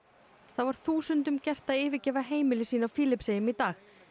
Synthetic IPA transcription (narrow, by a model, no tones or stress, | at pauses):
θavaɾ̥θuːsʏnt̪ʏmcɛr̥t̪aɪːvɪcɛːvaɦeːjmɪlɪsiːnafiːlɪpseːjʏmit̪aːx